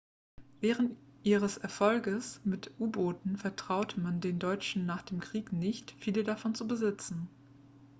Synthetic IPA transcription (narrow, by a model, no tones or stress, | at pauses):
vɛːʁ̞əntʔiːʁ̞əsɛɐfɔlɡəsmɪtʰʔuːboːtn̩fɛɐtʁ̥aʊtəmandeːndɔʏt͡ʃn̩naːχd̥eːmkʁ̥iːknɪçtfiːlədafɔnt͡subəzɪt͡sn̩